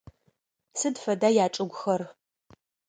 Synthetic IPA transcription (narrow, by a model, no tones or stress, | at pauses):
sɨdfɐdaːjaːt͡ʃʼɨɡʷʊxɐr